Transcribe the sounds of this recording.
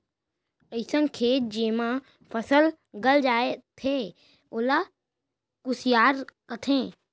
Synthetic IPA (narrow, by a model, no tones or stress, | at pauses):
əɪsənkʰeːt̪̚d͡ʒeːmã | pʰəsəl | ɡəld͡ʒaːet̪ʰe | ʊla | kʊsjaːɾkət̪ʰẽː